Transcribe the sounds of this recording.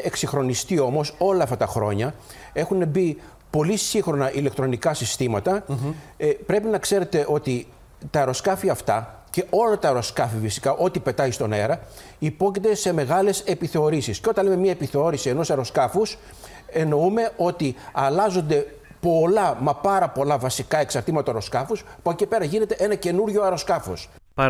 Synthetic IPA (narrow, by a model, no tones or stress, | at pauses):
eksixɾo̞nist̪io̞mo̞so̞lɐɐft̪ɐt̪ɐxɾo̞̰ɲɐ | e̞xunebi | po̞lisiŋxɾo̞nɐʔile̞k̚t̪ɾo̞nikɐsist̪imɐt̪ɐ | pɾe̞pinɐkse̞ɾe̞t̪e̞ʔo̞t̪i | t̪ɐeɾo̞skɐfiɐft̪ɐce̞ʔo̞lɐt̪ɐeɾo̞skɐfifisi̥kɐʔo̞t̪ipe̞t̪ɐist̪o̞ne̞̰ɾɐ | ipo̞cit̪e̞se̞me̞ɣɐle̞se̞piθe̞o̞ɾisisceot̪ɐnleme̞mɲɐepiθe̞o̞ɾisie̞no̞sɐɾo̞skɐfus | e̞no̞ume̞ʔo̞t̪iɐlɐzo̞nd̪e̞ | po̞lɐmɐpɐɾɐpo̞lɐvɐsikɐe̞ksɐɾt̪imɐt̪ɐoɾo̞skɐfuspocepe̞ɾɐʝine̞t̪e̞ʔe̞nɐce̞nuɾʝo̞ɐɾo̞skɐfo̞̰s